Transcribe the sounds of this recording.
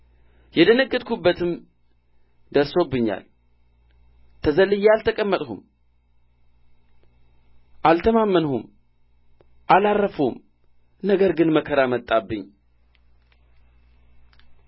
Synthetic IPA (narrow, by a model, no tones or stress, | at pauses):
jɛd̪ənəɡːɨd̪̚kʰubːət̪ʰɨm | d̪əɾso̞bːɨɲːa̰l | t̪ʰəzəlːɨjɛalt̪ʰəkʼəmːət̪ʼhṵm | ʔalt̪ʰəmamːənhum | ʔalarːəfum | nəɡəɾɡɨnməkʰəɾamət̪ʼːabːɨɲː